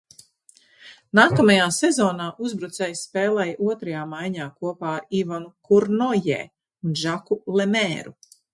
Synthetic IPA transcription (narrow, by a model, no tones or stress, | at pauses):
naːkamajaːsɛzɔːnaːʔuzbɾut̪sɛjspeːlˠɛjʔuɔt̪ɾɐjaːmajɲaːkuɔpaːɾivanukuɾnɔjɛ̰ː | unʒakulemɛːɾu